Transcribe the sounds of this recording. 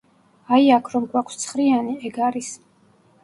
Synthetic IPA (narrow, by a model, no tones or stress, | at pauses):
ajakʰɾɔmɡwakʰst̪sʰχɾianiɛɡaɾis